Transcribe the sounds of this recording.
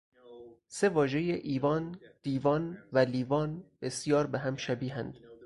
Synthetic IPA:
se̞vɒːʒe̞jeʔiːvɒːnd̪̥iːvɒːnvæliːvɒːnb̥esjɒːɾbeɦæmʃæbiːɦænd̪̥

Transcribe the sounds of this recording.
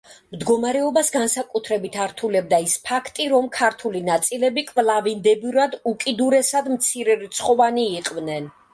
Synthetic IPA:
md̪ɡɔmaɾɛɔbasɡansakʼut̪ʰɾɛbit̪ʰaɾt̪ʰulɛb̚d̪aispʰakʰt̪ʼiɾɔmkʰaɾt̪ʰulinat̪sʼilɛbikʼvlˠavind̪ɛbiɾad̪ukʼid̪uɾɛsad̪mt̪sʰiɾɛɾit̪sʰχʼɔvaniːqʼvnɛn

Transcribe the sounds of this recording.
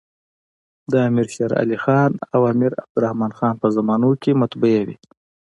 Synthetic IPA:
d̪əamiɾʃaɾa̰lixɑːnawaːmiɾa̰b̚d̪uɾahmɑːnxɑːnpəzamɑːnokʲemat̪bujewḭ

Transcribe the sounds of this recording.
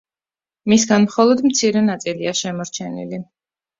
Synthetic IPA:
misɡanmχɔlˠɔd̪mt̪sʰiɾɛnat̪sʼiliaʃɛmɔɾt͡ʃʰɛnḭli

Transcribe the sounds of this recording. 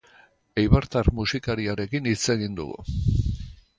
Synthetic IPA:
ejβaɾt̪aɾmusikaɾiaɾe̞kinit͡se̞ɣind̪ṵɣṵ

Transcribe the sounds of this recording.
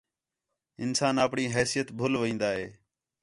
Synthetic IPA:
ɪnsaːnəpɳiːɦɛːsijət̪bʱʊlʋĩːnd̪aːɦeː

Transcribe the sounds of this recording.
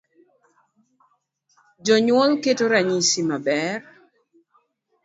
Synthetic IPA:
d͡ʒɔɲwɔlketoɾaɲisimabɛr

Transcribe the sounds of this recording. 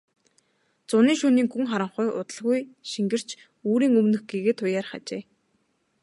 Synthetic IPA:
t͡sʊniːŋʃuːniːŋxuŋχaɾə̆ɴχʊjʔʊ̰t̪ə̆ɮɣujʃiŋɡɘ̆r̥t͡ɕʰ | uːɾiːŋɵmnɵ̆xɡeɣeːt̪ʰʊjaːrχa̰t͡ɕeː

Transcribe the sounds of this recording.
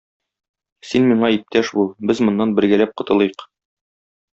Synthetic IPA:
sinmiɴɑip̚t̪æʃbubɘzmŏnːɑnbɘ̆ɾɡælæp̚qŏt̪ɤ̆lˠɤjɤq

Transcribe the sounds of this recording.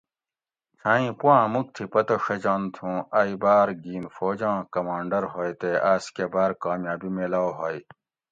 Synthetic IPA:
t͡sʰaːĩpuãːmuk̚t̪ʰipɐt̪oʂɐd͡ʑaːnt̪ʰũɐibaːɾɡiːnfoːd͡ʑãːkɐmaːɳɖɐɾɦojt̪eʔaːskebaːɾkaːmjaːbimelaːoɦoj

